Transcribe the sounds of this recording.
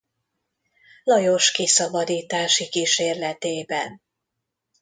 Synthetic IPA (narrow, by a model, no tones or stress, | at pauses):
lɒjo̞ʃkisɒbɒd̪iːt̪aːʃikiʃeːrlɛt̪eːbɛn